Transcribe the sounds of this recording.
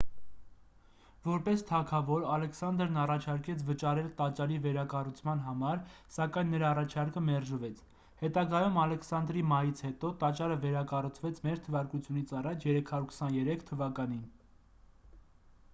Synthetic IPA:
vɔɾpɛst̪ʰɑkʰɑvɔɾɑlɛksɑnd̪əɾnɑrɑt͡ʃʰɑɾkɛt͡sʰvət͡ʃɑɾɛlt̪ɑt͡ʃɑlivɛɾɑkɑrut͡sʰmɑnɦɑmɑɾ | sɑkɑjnːəɾɑːrɑt͡ʃʰɑɾkəmɛɾʒəvɛt͡sʰ | hɛt̪ɑɡɑjumɑlɛkʰsɑnd̪ɾimɑjit͡sʰhɛt̪ɔt̪ɑt͡ʃɑɾəvɛɾɑkɑrut͡sʰvɛt͡sʰmɛɾt̪ʰəvɑɾkut͡sʰjunit͡sʰɑrɑt͡ʃʰjɛɾɛkʰhɑɾuɾkʰə̥sɑnjɛɾɛkʰt̪ʰəvɑkɑnin

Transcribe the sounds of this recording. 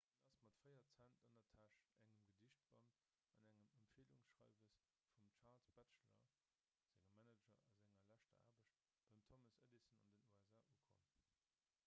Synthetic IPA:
ədɑsmɑtfɜɪɐt͡sæntəndɐtʰæʃæŋəmɡədiɕt̚b̥ɑ̰nt | ɑnæŋəməmpfiːəluŋsʃʁɑ̰ɪvəs | fumt͡ʃʰaːlsb̥æt͡ʃlɐ̰ | z̥æŋəmːænəd͡ʒɐɑzæŋɐlæʃtɐ̰a̰ːbəɕt̚ | b̥ɑɪmtʰoməsə̰disənɑ̰ndənuæzaːʔuəkʰo̰m

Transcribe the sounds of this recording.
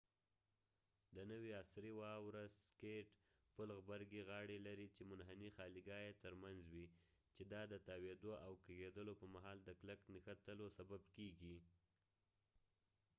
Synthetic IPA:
d̪ənəwiasɾiwɑwɾazskeʈ | pʊlɣbaɾɡeɣɑɽelaɾit͡ʃemʊnɦanixɑliɡɑjet̪əɾmanzwi | t͡ʃed̪ɑd̪ət̪ɑwed̪oʔawkaɣed̪əlopəɾmaɦɑld̪əkləknəxat̪əlosababkeɡi

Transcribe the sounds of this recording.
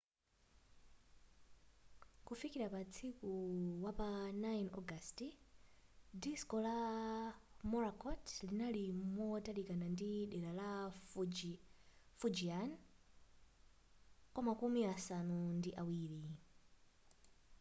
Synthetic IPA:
kufikiɾapat͡sʰikuwapanajnɔɡasti | diskɔla | mɔɾakʰɔtʰlinalimwɔtalikanandiɗɛɾala | fud͡ʒian | kwamakumiasanundiʔawiːɾi

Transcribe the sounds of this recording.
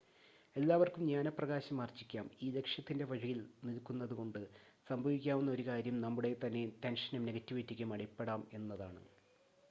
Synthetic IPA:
e̞lːaːʋɐrkumɲaːnɐprɐɣaːɕɐmaːrt͡ɕːikʲːaːmiːle̞kʂjɐt̪ːinde̞ʋɐɻɐjilnilkːunːɐðuko̞ɳɖɨ | sɐmbʱɐʋikʲːaːʋunːɐo̞ɾukaːɾjɐmnɐmːuɽe̞t̪ɐnːe̞t̪enʂɐnɐmneɡɐtːiʋitːikʲːumɐɽipːe̞ɽaːme̞nːɐðaːɳɨ̰

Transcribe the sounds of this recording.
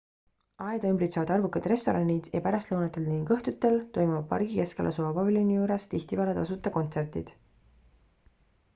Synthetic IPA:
ɑed̪ymbɾit̪sevɑd̪ɑrvukːˑɑd̪̥re̞st̪o̞ɾɑnʲid̪̥jɑpæɾɑst̪lɤwnɑt̪ːˑe̞lniŋkɤht̪ut̪ːˑe̞lt̪o̞jmuvɑb̚pːɑ̰rɡ̥ike̞ske̞lʔɑ̰suɑpɑvilʲjonʲijuːɾest̪içt̪ipæɾɑt̪ɑsut̪ːˑɑko̞nt̪se̞rt̪ḭd̪̥

